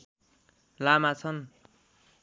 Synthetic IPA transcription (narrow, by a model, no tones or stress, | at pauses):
lamat͡sʰʌn